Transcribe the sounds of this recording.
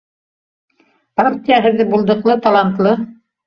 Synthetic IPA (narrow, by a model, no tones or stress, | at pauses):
proɾt̪ijæɦɘ̆ɾðɘbulˠd̪ɤ̆qlˠɤt̪ɑlˠant̪lˠɤ